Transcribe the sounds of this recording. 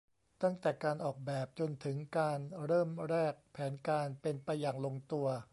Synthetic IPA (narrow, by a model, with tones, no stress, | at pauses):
t̪a˥˩ŋt̪ɛː˨˩kaː˧nʔɔː˨˩k̚bɛː˨˩p̚t͡ɕo˧nt̪ʰɯ˩˦ŋkaː˧nɾɤː˥˩mɾɛː˥˩k̚pʰːɛː˩˦nkaː˧npe˧npa˧jːaː˨˩ŋlo˧ŋt̪u˧ɐ